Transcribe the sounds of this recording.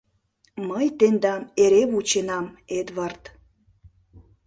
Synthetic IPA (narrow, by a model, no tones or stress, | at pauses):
məjt̪end̪ɑmeɾeβut͡ɕenɑmed̪βɑrt̪